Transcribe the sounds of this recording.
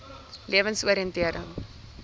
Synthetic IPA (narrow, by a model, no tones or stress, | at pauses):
lʔiəvənsuəɾiəntiəɾə̰ŋ